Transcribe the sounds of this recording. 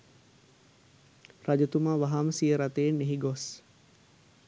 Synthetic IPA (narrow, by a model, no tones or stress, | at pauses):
rad͡ʒət̪umaːʋaɦaːməsijəɾat̪eːnːeɦiɡos